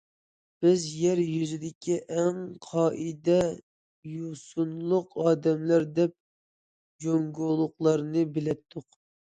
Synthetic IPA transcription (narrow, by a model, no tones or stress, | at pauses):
b̥ɪzjɛɾjyzɪd̪ɪkʲiʔɛŋqʰɑːʔid̪ɛ | jusunlˠʊqɑːd̪ɛmlæɾd̪ɛp̚ | d͡ʒoŋɡolˠʊqlˠɑɾnɨbɪlɛp̚t̪ʰːʊq